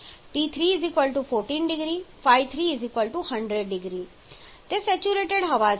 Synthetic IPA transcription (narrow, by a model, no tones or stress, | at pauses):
ʈit̪ʰɾiːzikʋəlʈufʰoːɾʈĩːnɖɪɡɾifajt̪ʰɾiɪzikʋəlʈuhɐ̃ɳɖɾeɖɖɪɡɾi | t̪esɛt͡ʃuɾeːʈeɽɦɐʋa